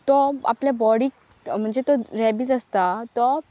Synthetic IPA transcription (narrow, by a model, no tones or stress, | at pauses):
t̪ɔa̰pljabɔɽiːk | m̤əɳd͡zet̪ɔɾɛbid͡zəst̪at̪ɔ